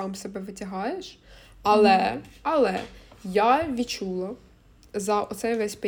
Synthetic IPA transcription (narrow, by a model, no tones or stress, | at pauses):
ɑmsɛbɛʋɪtʲɐɦɑjeʃ | ɐlˠɛɐlˠɛjaʋʲit͡ʃulˠɐ | zɐʔɔt̪sɛjʋɛsʲpe